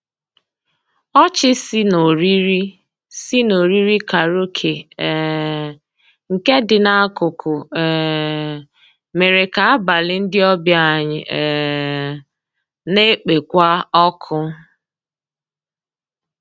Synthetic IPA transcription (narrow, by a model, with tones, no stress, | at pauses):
ɔ˦t͡ʃɪ˦si˦no˨ɾi˦ɾi˦ | si˦no˨ɾi˦ɾi˦ka˨ɾo˦kʰe˨ | ŋ̩˨ke˦dɪ˨na˦kʊ˨kʰʊ˨ɛ˨ | me˨ɾe˨ka˨a˦ba˨lɪ˦n̩˦dɪ˦ɔ˦bja˦˨ɲɪ̰˨ | ne˦k͡pe˨kʷa˦ɔ˦kʰʊ˦